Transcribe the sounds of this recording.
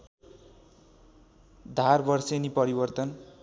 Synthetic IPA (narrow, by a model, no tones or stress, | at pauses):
d̪ʱarbʌrsenipʌɾibʌrt̪ʌn